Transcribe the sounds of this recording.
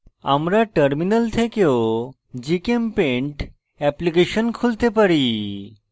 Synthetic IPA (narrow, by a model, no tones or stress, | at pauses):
a̰mɾaʈəɾminəlt̪ʰekeo | d͡ʑikempẽɳʈ | ɛplikeɕənkʰult̪epəɾi